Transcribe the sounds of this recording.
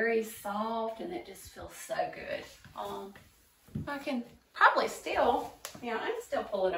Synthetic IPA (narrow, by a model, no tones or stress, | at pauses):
ɛɹisɔftɨ̃nɨt̚d̥ʒ̥ʌstfilˠz̥soʊɡʊ̰d̥ʔʌ | okʰɨ̃npʰɹ̥ɑbəblistɪlˠjnoʊã̰ɪ̃mstɪlˠpʰʊlˠɪ̃ŋ